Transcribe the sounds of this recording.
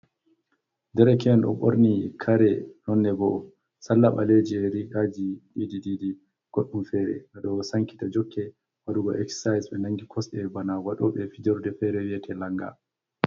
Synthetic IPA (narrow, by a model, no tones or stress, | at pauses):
dɛɾɛkʰɛnɗɔ̰ɓo̰ɾnikʰaɾɛnɔnːɛɡɔ | salːaɓaled͡ʒiɛɾikad͡ʒiɗidididi | ɡ̥oɗːumfɛːɾɛ̰ʔaɗɔsaŋki̥tad͡ʒɔkʰːɛ | waɗuɡɔ̰ʔɛkssajsɓɛnaŋɡikʰɔsɗɛbanawaɗɔɓɛfid͡ʒɔɾdɛfɛɾɛwiɛtʰɛlaŋɡa̰